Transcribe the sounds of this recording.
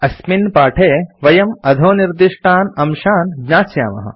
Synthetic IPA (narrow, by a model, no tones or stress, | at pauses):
ɐsminpaːʈʰeːʋɐjɐmɐd̪ʱoːniɾd̪iʂʈʰaːnɐmʃaːnɡɲaːsja̰ːmɐ̰ɦɐ̰